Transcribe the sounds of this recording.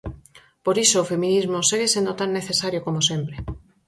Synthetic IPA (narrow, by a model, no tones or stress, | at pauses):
poɾisoːfemĩnizmoseɣesend̪ot̪aŋːeθesaɾjokomosempɾe